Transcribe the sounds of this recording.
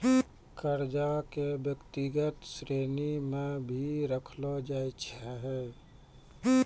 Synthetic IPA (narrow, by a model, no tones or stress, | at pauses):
kəɾd͡ʒakebjəkt̪iɡət̪sɾeːnimẽbʱiɾəkʰlod͡ʒait͡ʃʰɛɦɛ